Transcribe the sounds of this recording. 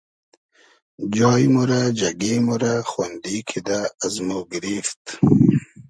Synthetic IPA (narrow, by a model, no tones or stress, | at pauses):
d͡ʒɑːjmuɾad͡ʒaɡemuɾaxwand̪ikʰid̪aːzmoɡɪɾift̪